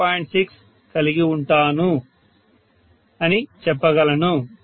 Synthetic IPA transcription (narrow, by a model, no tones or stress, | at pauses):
aːjiɳʈsiks | kɐliɡiuɳʈaːnu | ɐnit͡ʃɛpːɐɡɐlɐnu